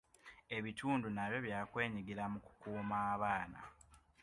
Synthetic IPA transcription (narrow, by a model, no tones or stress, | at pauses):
e̞βituːndunaβjo̞βjaːkwe̞ːɲiɡiɾamuku̥kuːmaːβaːna̰